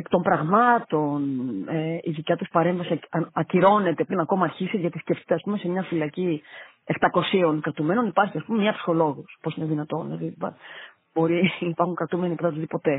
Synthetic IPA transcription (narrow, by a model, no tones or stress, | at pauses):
ekt̪o̞mbɾɐɣmɐt̪o̞neiðicɐt̪uspɐɾe̞ɱvɐsiɐɐciɾo̞ne̞t̪e̞pɾinɐko̞mɐːɾçiseʝɐt̪isceft̪e̥t̪eɐspume̞semɲɐfilɐci | eft̪ɐko̞sio̞ŋkɾɐt̪ume̞no̞nipɐɾçiɐspumemɲɐpsi̥xo̞lo̞ɣusposineðinɐt̪o̞neðibɐ̰ | bo̞ɾiːpɐɾxuŋkɾɐt̪ume̞nikɐt̪ɐt̪uðipo̞t̪e̞